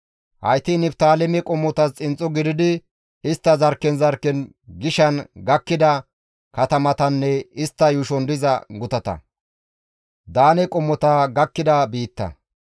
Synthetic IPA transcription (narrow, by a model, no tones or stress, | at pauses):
hɐjt̪iːnɪpt̪aːlɛmɛkʼɔmːɔt̪ɐst͡sʼɪnt͡sʼːɔɡɪd̪ɪd̪ɪ | ɪst̪ːɐzɐɾkːɛnzɐɾkːɛn | ɡɪʃɐnɡɐkːɪd̪ɐ | kɐt̪ɐmɐt̪ɐnːɛɪst̪ːɐjʊʃɔnd̪ɪzɐ̰ɡʊt̪ɐt̪ɐ̰ | d̪aːnɛkʼɔmːɔt̪aɡɐkːɪd̪ɐbiːt̪ːɐ̰